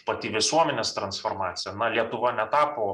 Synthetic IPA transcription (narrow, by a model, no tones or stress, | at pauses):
pɐt̪ʲɪʋʲɪsuɔmʲɛnʲeːst̪ɾɐnsfoːrmɑːt̪sʲɪjɛnɐlʲiɛt̪ʊʋɐnʲɛt̪ɑːpoː